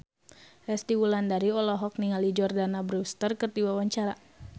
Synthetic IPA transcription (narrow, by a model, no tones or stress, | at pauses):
rɛst̪iwulandaɾiɔlɔɦɔk̚niŋalid͡ʒɔrdanabɾust̪ərkərd̪iwawaɲt͡ʃaɾa